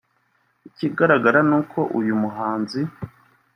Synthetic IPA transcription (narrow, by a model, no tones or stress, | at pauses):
iciɡaɾaɡaɾanuːkʰo̞ʔujumuɦaːnzi